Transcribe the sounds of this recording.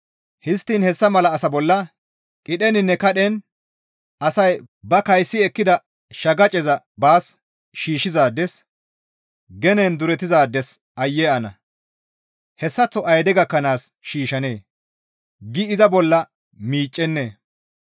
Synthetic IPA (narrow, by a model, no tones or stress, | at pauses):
hɪst̪ːiːnhɛsːɐmɐlɐːsɐbɔlːɐ | kʼɪɗɛnɪnːɛkɐɗɛn | ɐsɐj | bɐkɐjsːɪɛkːɪd̪ɐ | ʃɐɡɐt͡ʃʼɛzɐ | baːs | ʃiːʃɪzaːd̪ːɛs | ɡɛnɛnd̪ʊɾɛt̪ɪzaːd̪ːɛs | ɐjːɛɐnɐ | hɛsːɐt͡sːɔʔɐjd̪ɛɡɐkːɐnaːsʃiːʃɐneː | ɡɪɪzɐbɔlːɐ | miːt͡ʃʼːɛnːe̞ː